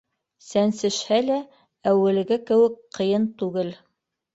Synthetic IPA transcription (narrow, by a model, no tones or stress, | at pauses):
sænsɘ̆ʃhælæ | æwɘ̆lɡɘkɘ̆wɘkqɤ̆jɤnt̪ʉɡɘl